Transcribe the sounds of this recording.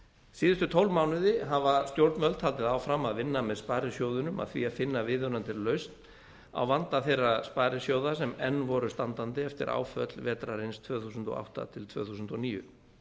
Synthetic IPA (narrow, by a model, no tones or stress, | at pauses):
siːðʏst̪ʏt̪ʰowlmawnʏðɪɦavast̪jowɾt̪mœlt̪ʰhalt̪ɪðaːwfɾamːaðvɪnːamɛðspajɾɪsjoːwðʏnʏma̰ðθvḭaðfɪnːavɪðœnant̪ɪɾlœɥst̪n | a̰wvant̪aθejraspajɾɪsjowðasɛmɛnːvɔɾʏst̪ant̪ant̪ɪɛft̪ɪ̰ɾʔa̰ːwfœt̪lvɛːt̪ɾaɾɪnst̪ʰvœːθusʏnt̪ɔ̰ʔa̰wht̪a̰t̪ʰɪlt̪ʰv̥œ̰ːθusnt̪ɔniːjʏ̰